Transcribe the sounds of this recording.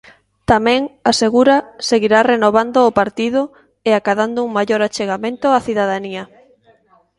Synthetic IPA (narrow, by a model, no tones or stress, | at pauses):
t̪amɛ̃ŋaseɣuɾɐseɣiɾarenoβ̞and̪ʊːpaɾt̪iðʊ | eakaðand̪ʊuŋmajoɾat͡ʃeɣamẽnt̪ʊaθiðaðaniɐ